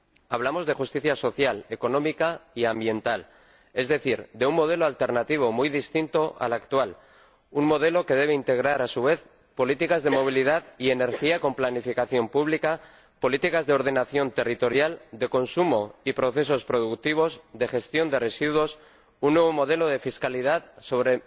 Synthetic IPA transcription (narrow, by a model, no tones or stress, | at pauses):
aβlamo̞zðe̞xust̪iθjaso̞θjale̞ko̞nõ̞mikaiambje̞nt̪al | e̞zðe̞θiɾd̪e̞uŋmo̞ð̞e̞loalt̪e̞ɾnat̪iβ̞o̞mujðist̪int̪o̞ʔa̰lakt̪wal | unmo̞ðe̞lo̞ke̞ðe̞β̞eint̪e̞ɣ̞ɾaɾasuβe̞θ | po̞lit̪ikazðe̞mo̞β̞ilið̞aðie̞ne̞ɾxiako̞mplanifikaθjo̞mpuβ̞lika | po̞lit̪ikazðeo̞ɾð̞e̞naθjo̞nt̪e̞rit̪o̞ɾjald̪e̞ko̞nsumo̞ipɾo̞θe̞so̞spɾo̞ð̞uk̚t̪iβ̞o̞zd̪e̞xe̞st̪jo̞nd̪e̞re̞siðwo̞s | unːwe̞βomo̞ð̞e̞lo̞ð̞e̞fiskaliðaðso̞β̞ɾe̞